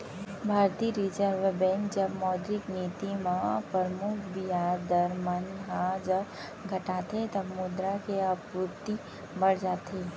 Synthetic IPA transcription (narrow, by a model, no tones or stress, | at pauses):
bʱaːɾt̪iɾid͡ʒəɾʋbɛ̃ŋk̚d͡ʒəbmɔːd̪ɾɪkniːt̪imãpəɾmʊkʰbijaːd̪əɾmənɦãd͡ʒəb | ɡʱɐʈaːt̪et̪ɐbmʊd̪ɾakeɐpupt̪i | bɐɽd͡ʒaːt̪eː